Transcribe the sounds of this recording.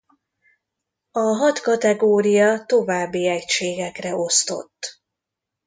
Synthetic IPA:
ɒɦɒt̪kɒt̪ɛɡoːɾijɒt̪o̞vaːbːiɛcʃeːɡɛkrɛo̞st̪o̞̰t̪ː

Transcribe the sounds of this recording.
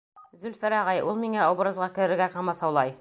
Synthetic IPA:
zɵlfɘɾæʁɑjʔulˠmiŋæobɾɤ̆zʁɑkɘ̆ɾɘ̆ɾɡæqɑmɑsɒwlˠɑj

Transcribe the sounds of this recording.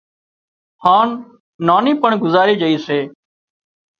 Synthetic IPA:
haːnː | aːniːpəɳɡʊzaːɾiːd͡ʒəiːseː

